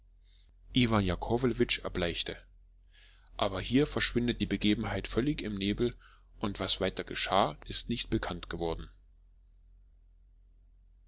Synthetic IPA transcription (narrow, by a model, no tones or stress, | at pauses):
ʔivanjakʰovlvɪt͡ʃɛɐblaɪçtə | ʔaːbɐhiːɐfɛɐʃv̥ɪndət̚d̥iːbəɡeːbm̩ɦaɪtfœlɪçɪmneːbl̩ | ʔʊntv̥asv̥aɪtɐɡəʃaːʔɪstnɪçtb̥əkʰantɡ̥əvɔɐdn̩